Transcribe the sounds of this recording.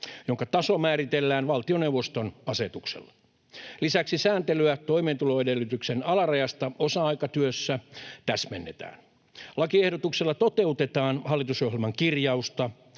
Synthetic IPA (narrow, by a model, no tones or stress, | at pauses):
joŋkɑt̪ɑso̞mæːɾit̪elːæːnʋɑlt̪io̞newʋost̪onɑset̪uksḛlːɑ | lisæksisæːnt̪elyæt̪o̞iment̪ulo̞edelːyt̪yksenɑlɑrɑjɑst̪ɑosɑɑikɑt̪yøsːæt̪æsmenːet̪æ̰ːn | lɑkiehɾot̪ukselːɑt̪ot̪eut̪et̪ɑːnhɑlːit̪usɑuhelmɑŋkirjɑust̪ɑ